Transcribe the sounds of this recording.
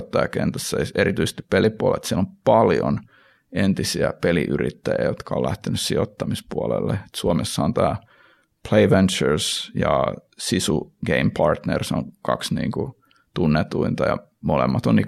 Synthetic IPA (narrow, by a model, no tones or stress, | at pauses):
t̪ːɑjɑkent̪æsːɑeɾit̪yise̥st̪i̥ppelipuolḛt̪sielompɑljo̰n | ent̪isiæpeliʔyrit̪ːæjæ̰jot̪kʰɑolæht̪enyssiot̪ːɑmispuolḛlːee̥t̪suomesːɑont̪æː | pʰleiʋent͡ʃørsjɑ | sisuɡ̥eimpʰɑrt̪nersoŋkɑksnḭːŋku | t̪unːet̪uint̪ɑjɑ | molemːɑt̪onni